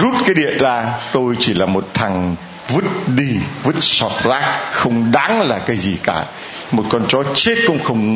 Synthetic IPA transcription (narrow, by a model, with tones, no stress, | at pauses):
zu˦˥t̚kaː˨˦jɗḭ˧˨ənzaː˧t̪o˧jt͡ɕi˧˩laː˨˩mo˨˩t̚t̪ʰa˨˩ŋ | vɨ˦˥t̚ɗi˧vɨ˦˥t̚sɔ˨˩t̚zaː˦˥k̚xə˧wŋ͡mɗaː˨˦ŋlaː˨˩kaː˨˦jzi˨˩kaː˧˩ | mo˨˩t̚kɔ˧nt͡ɕɔ˨˦t͡ɕe˦˥t̚kʊ̰˧˥ŋ͡mxə˧wŋ͡m